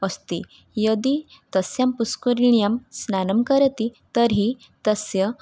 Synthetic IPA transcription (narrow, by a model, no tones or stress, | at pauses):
əst̪i | jəd̪it̪əsjampuskuɾiɳijamsnanəmkəɾət̪it̪əɾɦi | t̪əsjə